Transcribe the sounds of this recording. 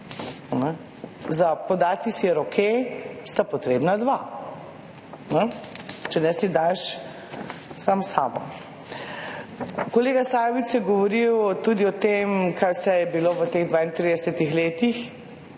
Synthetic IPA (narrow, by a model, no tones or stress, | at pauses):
nɛ | zapod̪aːt̪isijɛɾokʰest̪apɔt̪ɾeːbnad̪ʋa | nɛt͡ʃɛnɛsid̪ajʃ | samsaːbɔ̰ | koleːɡasaːjʋit̪sjɛɡɔʋɔɾiwt̪ud̪iɔt̪emkʰajsɛjɛbiloːʋət̪eɣd̪ʋaːint̪ɾiːd̪ɛsɛt̪ixleːt̪ix